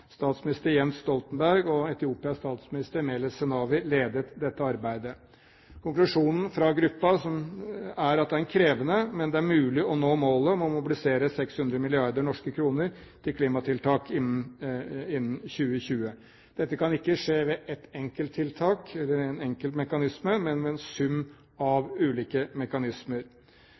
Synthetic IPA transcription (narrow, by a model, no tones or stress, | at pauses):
st̪ɑːt̪smɪnɪst̪əɾjɛnsst̪ɔlt̪ən̩bæɾɡɔɛt̪ɪuːpɪɑst̪ɑːt̪smɪnɪst̪əɾmeːləsɛnɑːʋɪleːd̪ət̪d̪ɛt̪ːəɑɾbæɪd̪ə | kʰʊŋklʉʂuːnn̩fɾɑɡɾʉpːɑsɔmæɾɑt̪̚d̪ɛæɾɛnkʰɾeːʋənəmɛnd̪ɛæɾmʉːlɪɔnoːmoːləɔmɔmʊbɪlɪseːɾəsɛkshʉnd̪ɾəmɪlɪɑɾd̪əɾnɔʂkəkʰɾuːnəɾ | t̪ʰɪlkʰliːmɑt̪ʰɪlt̪ʰɑːkɪn | ɪnːn̩ɕʉːəçʉːə | d̪̥ɛt̪ːəkʰɑnɪkːəʂeːʋɛʔɛt̪ɛŋkəlt̪ʰːɪlt̪ʰɑːkɛlːəɾɛnɛŋkəlt̪mɛkɑnɪsməmɛnmɛɛnsʉm | ɑʋʉːliːkəmɛkɑnɪsməɾ